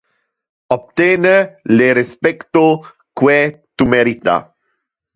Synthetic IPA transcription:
op̚t̪eːneleɾespekt̪o | kwet̪umeɾit̪a̰

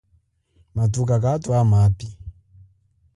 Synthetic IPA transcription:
matuk̬ak̬atwamapi

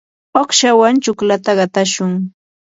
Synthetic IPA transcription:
oχʃawant͡ʃʊklat̪aɢɑt̪aʃʊŋ

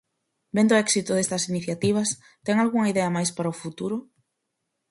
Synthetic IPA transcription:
bend̪ʊɛksit̪ʊðest̪ɐsiniθjat̪iβ̞ɐs | t̪ɛŋalɣuŋɐiðɛɐmajspaɾɐʊfut̪uɾʊ

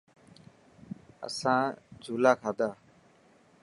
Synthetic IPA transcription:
ə̰sãːd͡ʒʱuːlaːkʰaːd̪aː

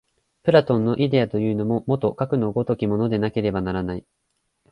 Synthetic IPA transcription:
pɯ̟ɾat̪õ̞nːo̞ʔid̪e̞at̪o̞jɯ̟ːno̞mo̞mo̞t̪o̞kakɯ̟no̞ɡo̞t̪o̞kʲimo̞no̞d̪e̞nake̞ɾe̞banaɾanai

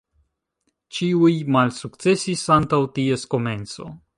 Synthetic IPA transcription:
t͡ʃiujmalsukt͡se̞sisantawtie̞sko̞me̞nt͡so̞̰

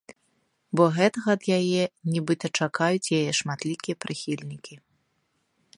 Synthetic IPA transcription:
bɔɣɛt̪ɐɣɐːd̪jajɛnʲibɨt̪ɐt͡ʂakajut͡sʲjajɛʂmat̪lʲikʲijɛpɾɨxʲilʲnʲikʲi

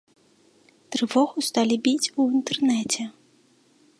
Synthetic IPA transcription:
t̪ɾɨvɔɣust̪alʲibʲit͡sʲuint̪ɛrnɛt͡sʲɛ

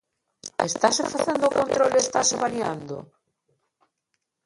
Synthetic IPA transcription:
est̪asefaθend̪okont̪ɾolest̪aseβania̰nd̪o̰

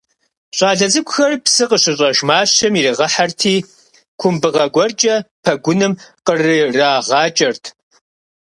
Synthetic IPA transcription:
ɕʷʼɑːɮɐzɨkʷʰʼʊxɐrpsɨqəɕɪɕʼɐʒmaːɕɐmiriʁɐħartʰiː | kʷʰʊmbɨʁɐɡʷɔrt͡ʃʼɐpʰɐɡʷʊnɨmqərɨraːʁɑːt͡ʃʼɐrtʰ

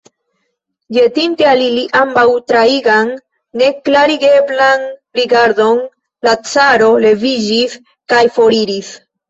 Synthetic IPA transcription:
d͡ʒe̞tintealiliʔambawtɾaiɡanː | e̞klaɾiɡe̞blanɾiɡaɾdo̞n | lat͡saɾo̞le̞vid͡ʒis | kajfo̞ɾiɾis

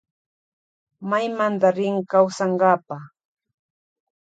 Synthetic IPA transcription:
majmant̪aɾɪŋkawsaɴɢɑːpa

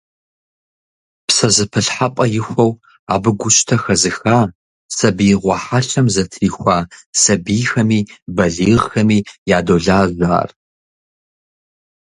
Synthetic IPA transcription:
psɐzɨpʰɨɬħapʼɐjɪxʷɐw | aːbɨɡʷʊɕʼtʰɐxɐzɨxaː | sɐbiːʁʷɑħaɬɐmzɐtʰriːxʷaːsɐbiːxɐmiːbɐɮiːʁxɐmiːjaːdoːɮaːʑʷa̰ːr

